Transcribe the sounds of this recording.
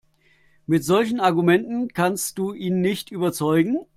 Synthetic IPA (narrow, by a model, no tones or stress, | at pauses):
mɪtz̥ɔlçn̩aɐɡumɛntn̩kʰanstd̥uːʔiːnːɪçtʔyːbɐt͡sɔʏɡŋ̩